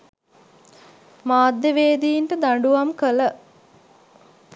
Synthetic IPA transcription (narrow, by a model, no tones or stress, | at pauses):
maːd̪ːjeʋeːd̪ijːɳʈəd̪aɳɖuʋamkələ